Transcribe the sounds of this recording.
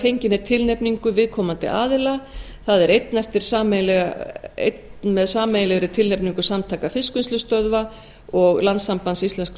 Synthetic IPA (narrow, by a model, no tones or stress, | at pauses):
θejɲcɪnɪt̪ʰɪlnepniŋkʏvɪðkʰɔːmant̪ɪ̰ʔa̰ːðɪla | θaðɛɾejt̪nɛft̪ɪɾ̥saːmlɛ̰ḛjt̪nmɛðsaːmejlɛɣɾɪt̪ʰɪlnepniŋkʏsamt̪ʰaːkafɪskʏnst̪lʏst̪œðva | ɔɣlant̪sːampansist̪ɛnsk